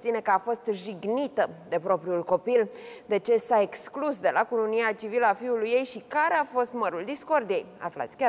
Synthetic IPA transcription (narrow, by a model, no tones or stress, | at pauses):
t̪sine̞kəafo̞st̪ʒiɡnit̪əd̪e̞pɾo̞pɾiulko̞pild̪e̞t͡ʃe̞sae̞ksklusd̪e̞lakuluniat͡ʃiviləafiulujːe̞jʃikaɾe̞afo̞st̪məɾuld̪isko̞rd̪ije̞ja̰fla̰t̪sʲkʲa